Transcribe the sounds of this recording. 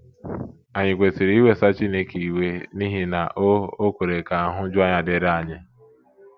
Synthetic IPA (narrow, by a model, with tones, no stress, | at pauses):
a˨ɲɪ˨kʷe˨si˨ɾi˦we˦sa˦t͡ʃi˦ne˦ke˨i˨we˦ni˦ɦi˦na˨ʔo˦o˦kʷe˨ɾe˨ka˨a˨ɦʊ˦d͡ʒʊ˦a˦ɲa˨de˨ɾa˨ɲɪ˦